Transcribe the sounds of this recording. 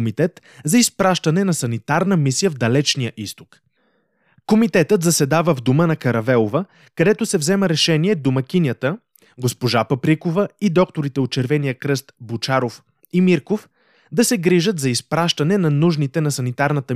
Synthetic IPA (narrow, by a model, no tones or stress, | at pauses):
mit̪ɛt̪ | zɐispɾaʃt̪ɐnɛnɐsɐnit̪aɾnəmisijəvd̪ɐlɛt͡ʃnijəʔist̪o̥k | komit̪ɛt̪ət̪zɐsɛd̪avəvd̪omənɐkɐɾɐvɛlˠovə | kɐd̪ɛt̪osɛvzɛməɾɛʃɛniɛd̪omɐkʲinʲjət̪ə | ɡospoʒapɐpɾikovəid̪ɔk̚t̪oɾit̪ɛot̪̚t͡ʃɛɾvɛnijəkɾɤst̪but͡ʃaɾof | imiɾkof | d̪ɐsɛɡɾiʒət̪zɐispɾaʃt̪ɐnɛnɐnuʒnit̪ɛnɐsɐnit̪aɾnɐt̪ə